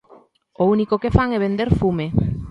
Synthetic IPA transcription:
ounikokefaŋɛβend̪eɾfume

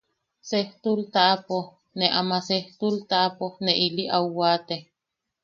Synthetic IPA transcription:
seht̪ult̪aʔpo | neʔamaseht̪ult̪aʔaponeʔiliʔauwaːt̪e

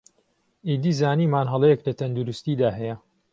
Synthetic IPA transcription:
id̪iːzaːniːmaːnɦɐlˠɛjeklɐt̪ʰɐnd̪uɾust̪iːd̪aːɦɛjɛ

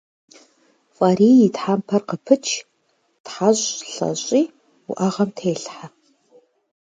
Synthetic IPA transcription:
fʼaɾiːitħampʰɐrqəpʰɨt͡ʃʰ | tħaɕʼɬɐ̰ɕʼiː | ṵʔaʁɐmtʰeːɬħa

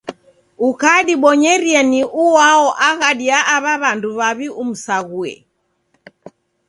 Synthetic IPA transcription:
ukaɗiɓɔɲɛɾiɛniʔuwaɔʔaɣaɗiaʔaβaβanduβaβium̩saɣuɛ̰

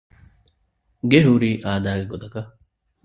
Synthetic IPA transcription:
ɡeɦuɾiːʔaːd̪aːɡeɡot̪ɐkɐ

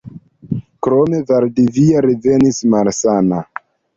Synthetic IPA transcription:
kɾome̞vaɾdiviaɾive̞nismalsana

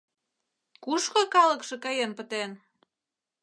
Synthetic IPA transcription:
kuʃkokɑlə̆kʃĕkɑjenpə̆t̪en

